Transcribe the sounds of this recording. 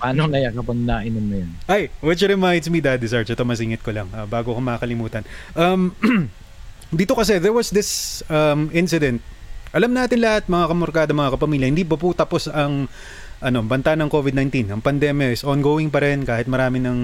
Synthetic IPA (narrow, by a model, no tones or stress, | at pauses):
paːnonɐjakɐpɐɡnaʔɐnʊmnɐjanʔajwɪt͡ʃɾɛmajnd̪smid̪ad̪ɪsaɹt͡ʃot̪omɐs̬iŋɪt̪kolɐŋɐbaːɡokomɐakɐlɪmuːt̪ɐnʔɐm | d̪iːt̪okɐsɛðɛɹwɐsd̪ɪsɐmɪ̃nsɪd̪ɛnt̪̚ | ʔɐlɐmnaːt̪ɪnlɐhat̪̚mɐŋakɐmoɾkaːd̪ɐmɐŋakɐpɐmiːljɐhɪnd̪iːbɐput̪ɐpo̞sɐŋ | ʔɐno̞bɐnt̪anɐŋko̞vɪd̪najnt̪inɐŋpɐnd̪ɛmjɐʔɪsonɡoːwɪŋpɐɾɛnkaːhɪt̪̚mɐɾaːmɪnɐŋ